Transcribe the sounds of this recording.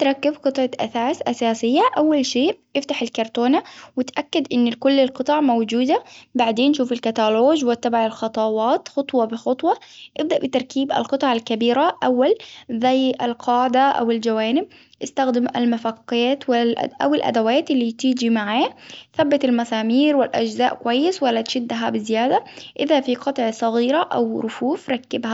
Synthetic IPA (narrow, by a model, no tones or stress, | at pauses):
t̪ɾˤɑkːabqɨt̪ˤʕɑʔa̰saːsʔasaːsɪjːaʔawːalʃeːʔʔɪft̪aħɪlkɑɾˤt̪oːnawɪt̪ʔakːad̪ʔɪnːkʊlːɪlqɨt̪ˤɑʕmowd͡ʒuːd̪abaʕd̪eːnʃuːfɪlkat̪aloːʒwɪt̪ːabaʕalxɑt̪ˤɑwɑːt̪xɑt̪ˤwɑbɪxɑt̪ˤwɑʔɪb̚d̪aʔbɪt̪ɑɾˤkʰiːba̰lqɨt̪ˤɑʕalkabiːɾaʔawːalzajalqʰɑːʕɪd̪aʔa̰wɪld͡ʒawaːnɪb | ʔɪst̪axd̪ɪma̰lmafaqːaːt̪w̰ʔa̰wɪlʔa̰d̪awaːt̪ɪlːiːt̪iːd͡ʒimaʕaːθabːɪt̪almasaːmiːɾwɪlʔa̰d͡ʒzaːʔkʊwajːɪswalːat̪ʃɪd̪ːɦabɪzɪjaːd̪aʔɪðafiqɑt̪ˤʕsˤɑɣiːɾaʔawɾʊfuːfɾˤɑkːɪbha